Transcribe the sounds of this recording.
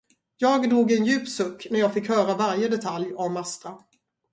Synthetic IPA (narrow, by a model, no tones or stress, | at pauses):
jɑːɡd̪uːɡɛnjʉ̟ːpsɵkːnæɾjɑːɡfɪkhœːɾavaɾjəd̪ɛt̪ʰaljɔmːast̪ɾa